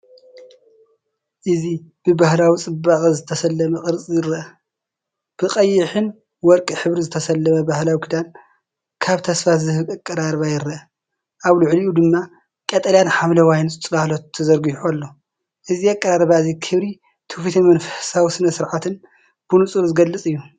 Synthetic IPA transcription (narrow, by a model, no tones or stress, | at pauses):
ʔɨzib̥ɨbahlawit͡sʼɨbaχʼɨzɨt̪ʰɐsɐlːɐmɐkʼɨɾt͡sʼjɨɾːɐʔɐ | b̥ɨqʼɐjːɪħɨn | wɔɾkʼiħɨβɾizɨt̪ʰɐsɐlːɐmɐbahlawikʰid̪an | kʰaβt̪ʰɐsfat̪zɨhɨakʼːɐɾaɾβajɪɾɐʔɐ | ʔaβlʊʕliʔud̪ɨmːa | kʼɐt̪ʼɐljanħamlɐwajnt͡sʼtʼɨlahlot̪ʰːɐzɐɾɡiħolːo̞ | ʔɨziakʼːɐɾaɾβazikʰɨβɾi | t̪ʰɨfit̪ʰimɐnfɐsawisɨnɐsɨɾʕat̪ʰɨn | b̥unut͡sʼulzɨɡɐlːɨt͡sʼɨjːu